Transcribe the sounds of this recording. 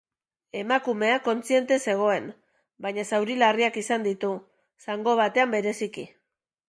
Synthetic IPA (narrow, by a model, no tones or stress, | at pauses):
e̞makume̞ako̞nt͡sie̞nt̪e̞se̞ɣ̞o̞e̞n | bajɲasawɾilariakisand̪it̪u | saŋɡo̞β̞at̪e̞ambe̞ɾe̞siki